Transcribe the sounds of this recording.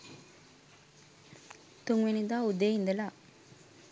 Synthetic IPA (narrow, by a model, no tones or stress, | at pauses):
t̪uŋɡʋenid̪aːud̪ejind̪ɐla